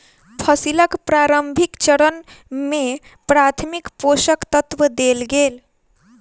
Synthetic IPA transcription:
pʰəsiləkpɾaɾəmbʱikt͡ʃəɽənme | pɾat̪ʰmikposəkt̪ət̪ʋəd̪elɡel

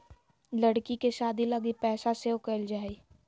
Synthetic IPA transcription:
lɐɽkikeʃaːd̪ilɐɡipɛːsaseʊkəld͡ʒaːiː

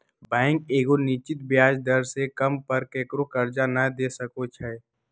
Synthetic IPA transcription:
bɛ̃ːɪ̃ŋkeːɡoniːt͡ʃɪt̪̚bɪjaːd͡ʒd̪əɾsekɐmpəɾkeːkɾokəɾd͡ʒanəd̪eːsəkot͡ʃʰɛː

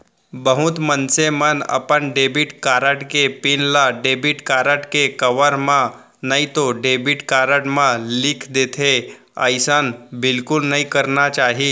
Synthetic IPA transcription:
bəɦut̪mənsemənə̰pəɳɖebiʈkaɾəʈkepinlaɖebiʈkaɾəʈkekəʋəɾmã | nait̪oɖebiʈkaɾəʈmãlikʰd̪et̪ʰe | ə̰jsanbɪlkʊlnəikəɾnat͡ʃaːɦi

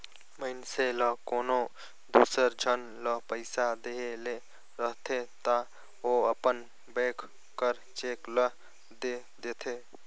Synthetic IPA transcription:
məɪnseləkono | d̪usəɾd͡ʒʱən | ləpəɪsad̪eɦele | ɾəɦt̪ʰet̪a | oəpən | bekʰ | kəɾ | t͡ʃekləɦ | d̪e | d̪et̪ʰe

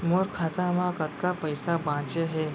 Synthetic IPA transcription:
moɾkʰat̪amãkət̪kapəjsabãt͡ʃeɦe

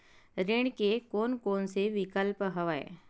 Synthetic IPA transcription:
ɾeɳ̃kekoːnkoːnseʋɪkəlpɦɐʋaḛ

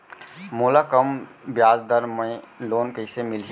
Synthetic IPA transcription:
moːlakəmbjaːd͡ʒd̪əɾmə̃loːnkəɪsemɪlɦ

